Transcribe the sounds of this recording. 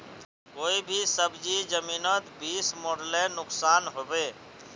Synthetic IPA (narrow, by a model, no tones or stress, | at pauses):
oibʱisəbd͡ʒid͡ʒəminət̪bismoɽlenʊksanɦobe